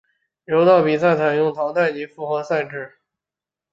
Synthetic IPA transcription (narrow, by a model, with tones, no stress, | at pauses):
jo˧˥ʊt̪ɑ˥˩ʊpi˨˩sa˥˩ɪt͡sʰa˨˩ɪjʊ˥˩ŋt̪ʰɑ˧˥ŋt̪a˥˩ɪni˥fu˥˩xɤ˧˥sa˥˧ɪʈ͡ʂɻ̩˥˩